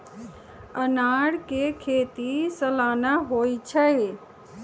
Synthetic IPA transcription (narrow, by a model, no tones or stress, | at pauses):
ənaːɽkekʰeːt̪isəlaːnaɦoːit͡ʃʰəe